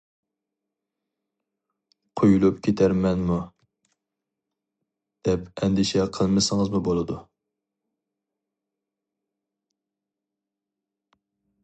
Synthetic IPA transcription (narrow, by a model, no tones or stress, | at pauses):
qʰojulˠupkʲʰet̪ʰæɾmɛnmu | d̪̥ɛpɛnd̪ɪʃɛqʰəlˠmɨsɨŋəzmubolˠɨd̪u